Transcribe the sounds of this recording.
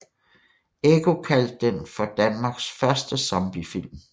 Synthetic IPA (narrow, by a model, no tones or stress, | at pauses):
eɡ̥o̝kʰæl̰d̥̚ːenfɒ̽d̥ænmɑ̈ɡ̥sfɶɐsd̥əsɒmb̥ifil̰m